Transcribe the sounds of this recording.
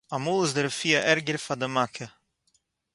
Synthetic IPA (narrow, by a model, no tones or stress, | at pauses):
amuːlˠɪzdəɾfiːəʔɛɾɡəɾfadəmakʰə